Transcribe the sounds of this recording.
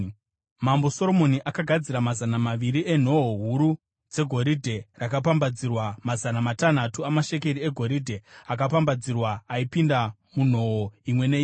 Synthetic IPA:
mambo̞soɾo̞mo̞niʔakaɡʱad͡ziɾamazanamaʋiɾiʔe̞n̤o̞ɦoɦuɾu | d͡ze̞ɡʱo̞ɾidʱe̞rakap̬ambad͡zirwamazanamatan̤atuamaʃe̞ke̞ɾieɡʱo̞ɾidʱe̞ak̬apambad͡zirwaːipinda | mun̤o̞ɦoimwe̞neːi

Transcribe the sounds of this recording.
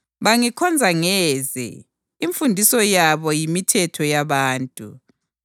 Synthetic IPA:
βaŋikʰɔnd͡zʱaŋɛzɛ̰ | iɱfundʱisɔjaβɔjimitʰɛtʰɔjaβaːntʼṵ

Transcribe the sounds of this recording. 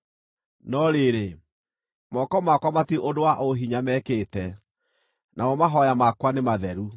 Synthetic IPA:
nɔɾeɾe | mɔkɔmakwamatiʔodowaʔoɦiɲamɛkeːtɛ | nʔaɔmaɦɔjamakwanemaðɛɾu

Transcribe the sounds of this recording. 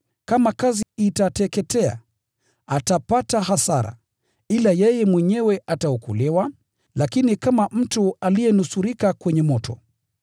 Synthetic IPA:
kamakaziitatɛkɛtɛa̰ | atapataɦasaɾa̰ | ilajɛjɛmwɛɲɛwɛʔataɔkulɛwa | lakinikamam̩tualijɛnusuɾikakwɛɲɛmɔtɔ̰

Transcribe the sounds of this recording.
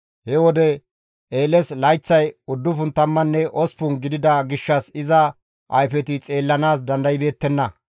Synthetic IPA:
hɛwɔd̪ɛ | eːlɛslɐjt͡sːɐjʊd̪ːʊfʊnt̪ɐmːɐnːɛʔɔspʊnɡɪd̪ɪd̪ɐɡɪʃːɐsɪzɐ | ʔɐjfɛt̪ɪt͡sʼe̞ːlːɐnaːs̬d̪ɐnd̪ɐjɪbe̞ːt̪ːɛnːɐ

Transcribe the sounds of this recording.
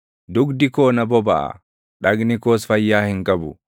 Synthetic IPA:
d̪ʊɡd̪ɪkoːnɐbɔbɐʔɐ̰ | ᶑɐɡnɪkoːsfɐjːaːhɪŋkʼɐbʊ

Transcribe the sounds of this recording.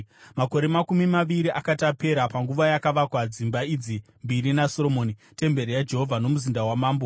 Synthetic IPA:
mako̞ɾe̞makumimaʋiɾiʔakatape̞ɾapaŋɡuʋajakaʋakwad͡zimbaid͡zi | mbiɾinasolomoːni | te̞mbe̞ɾejad͡ʒe̞ɦovʱanomuzindawamaːmbo

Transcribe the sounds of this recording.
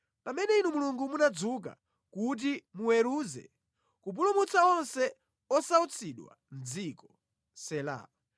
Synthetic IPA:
pamɛnɛinumuluŋɡumunad͡zuk̬a̰ | kut̬imuwɛɾuːzɛ̰ | kup̬ulumut͡sʰaɔnsɛ | ɔsaut͡sʰiɗwa̰nd͡zikɔ̥ | sɛla̰ːa

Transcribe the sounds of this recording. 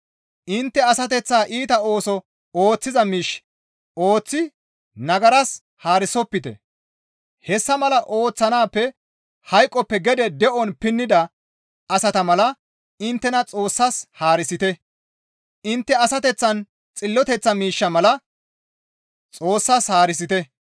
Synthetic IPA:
ʔɪnt̪ːɛɐsɐt̪ɛt͡sːaːʔiːt̪ɐo̞ːsɔ | oːt͡sːɪzɐmiːʃ | oːt͡sːɪ | nɐɡɐɾɐs | haːɾɪsɔpːɪt̪ɛ̰ | hɛsːɐmɐlɐʔo̞ːt͡sːɐnaːpːɛ | hɐjkʼːɔpːɛɡɛd̪ɛd̪ɛʔɔnpɪnːɪd̪ɐ | ɐsɐt̪ɐmɐlɐ | ɪnt̪ːɛnɐt͡sʼo̞ːsːɐshaːɾɪsɪt̪ɛ | ɪnt̪ːɛɐsɐt̪ɛt͡sːɐn | t͡sʼɪlːɔt̪ɛt͡sːɐmiːʃːɐmɐlɐ | t͡sʼo̞ːsːɐshaːɾɪs̬ɪt̪ɛ

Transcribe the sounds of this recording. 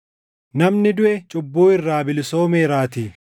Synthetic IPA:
nɐmnɪd̪ʊʔɛt͡ʃʼʊbːuːɪrːaːbɪlso̞ːmeːɾaːt̪iː

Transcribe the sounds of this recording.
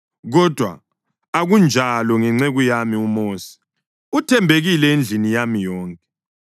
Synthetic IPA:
ɣɔd̥ʱwa̰ | aɣund͡ʒʱalɔŋɛŋ͡ǀeɣujamiumoːsi̥ | utʰɛmbʱeɣilɛend͡ɮʱinijamijɔːŋkʼɛ̥

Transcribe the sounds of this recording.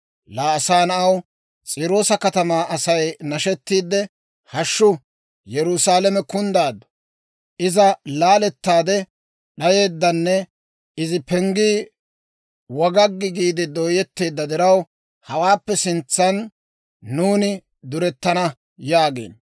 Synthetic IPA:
laːsaːnɐɐw | t͡sʼiːɾo̞ːsɐkɐt̪ɐmaːʔɐsɐjnɐʃɛt̪ːiːd̪ːɛ | hɐʃːʊ | jɛɾʊsaːlɛmɛkʊnd̪aːd̪ːɔ̥ | ʔɪzɐlaːlɛt̪ːaːd̪ɛ | ɗɐje̞ːd̪ːɐnːɛ | ɪzɪpɛŋɡiː | wɔɡɐɡːɪɡiːd̪ɪd̪oːjɛt̪ːeːd̪ːɐd̪ɪɾɐw | hɐwaːpːɛsɪnt͡sːɐnː | uːnɪ | d̪ʊɾɛt̪ːɐnɐ | jaːɡḛːn

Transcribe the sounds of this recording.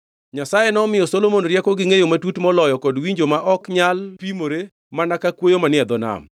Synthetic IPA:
ɲasajenɔmɪjɔsolomonɾjɛkɔɡɪŋejomatutmɔlɔjɔkɔdwiɲd͡ʒomaʔɔkɲalpimoɾe | manakakwojomanɪɛd̪ɔna̰m

